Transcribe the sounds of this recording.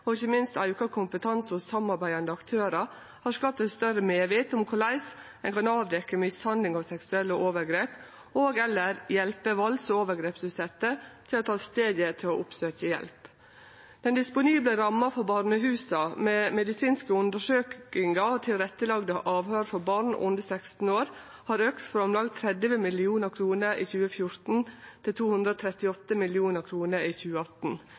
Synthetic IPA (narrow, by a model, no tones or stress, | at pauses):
ɔɪçːəmɪnst̪ɑʉkɑkʰʊmpət̪ʰɑnsɔsɑmɑɾbæɪɑnd̪əɑkt̪ʰøːɾɑ | hɑɾskɑːp̚t̪ɛt̪st̪œɾəmeːʋɪːt̪ʊmkʰʊɭæɪs | ɛnkɑnɑːʋd̪ɛkːəmɪshɑnd̪lɪŋɑʋsɛksʉɛlːəʔoːʋəɾɡɾeːp | oːɡɛlːəɾjɛlpəʋɑlsɔoːʋəɾɡɾeːpsʉsɛt̪ːət̪ʰɪlɔt̪ʰɑːst̪eːd̪jət̪ʰɪlɔʔʊpsøːçəjɛ̰lp | d̪̥ɛnd̪ɪspʊniːbləɾɑmːɑfɔɾbɑɾɳəɦʉːsɑmeːmɛd̪ɪsiːnskəʉnd̪əʂøːkɪŋɑt̪ʰɪlɾɛt̪ːəlɑɡd̪əʔɑːʋhøːɾfɔbɑɾɳʔʊ̰nd̪əsækst̪n̩oːɾ | hɑːɾøːkt̪fɾɑmlɑɡt̪ʰɾɛd̪ʋəmɪlɪuːnəkʰɾuːnəɾiːçʉːəfjʊɾt̪n̩t̪ʰɪlt̪ʰuːhʉnd̪ɾoːt̪ʰɾɛt̪ɪɔt̪ːəmɪlɪuːnəɾkʰɾuːnəɾiːçʉːəɑt̪n̩